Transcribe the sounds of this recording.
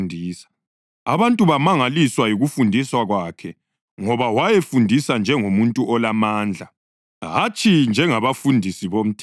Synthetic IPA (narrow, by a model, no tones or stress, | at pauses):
ndʱiːsḁ | a̰βantʼuβamaŋaliswajiɣufundʱiswaɣwakʰɛ | ŋɔβawajefundʱisand͡ʒʱɛŋomuntʼuʔɔlamaːnd͡ɮʱa | ɦat͡ʃʰʼind͡ʒʱɛŋaβafundʱisiβom̩tʰ